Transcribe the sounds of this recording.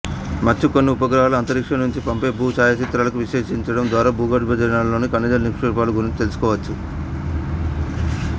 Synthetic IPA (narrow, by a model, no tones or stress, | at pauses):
mɐt͡ʃːukonːiupɐɡɾɐɦaːluɐnt̪ɐɾikʂɐnuɲt͡ʃipɐmpe̞ːbʱuːt͡ʃaːjɐt͡ʃit̪ɾaːlɐkuʋiʂeːʂiɲt͡ʃɐɽɐmd̪ʋaːɾaːbʱuːɡɐɖbɐd͡ʒ̪ɐɾɐnalːoːnikɐnːid̪ɐlniʂʈiɾpaːluɡuɾiɲt͡ʃit̪e̞lusu̥kɔːʋɐt͡ʃːu